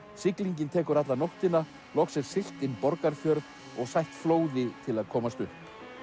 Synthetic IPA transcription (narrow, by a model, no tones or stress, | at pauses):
sɪkliɲcɪnt̪ʰɛːkʏɾat̪lanowht̪ɪna | lɔxsjɛɾ̥sɪl̥t̪ɪnːpɔɾkaɾfjœɾ | ɔɣsajht̪floːwðɪt̪ʰɪlaðkʰɔːmast̪ʏhp